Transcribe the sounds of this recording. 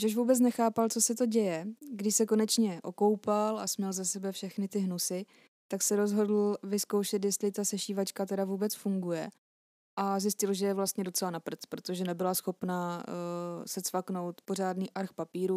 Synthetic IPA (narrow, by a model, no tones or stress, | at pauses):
ʒoʃvuːbɛt͡snɛxaːpalt͡so̞sɛt̪o̞ɟɛjɛɡdɪʃsɛko̞nɛt͡ʃɲɛʔo̞ko̞wpalasmɲɛlzasɛbɛfʃɛxnɪt̪ɪɦnusɪ | t̪aksɛɾo̞zɦo̞dl̩vɪskowʃɛt̪̬jɛst̪lɪt̪asɛʃiːvat͡ʃkat̪ɛdavuːbɛt͡sfuŋɡujɛ | ʔazjɪscɪlʒɛjɛvlast̪ɲɛdot͡sɛlanapr̩t͡spɾo̞t̪o̞ʒɛnɛbɪlasxo̞pna | sɛt͡sfakno̞wt̪po̞r̝aːdniːʔaɾxpapiːɾu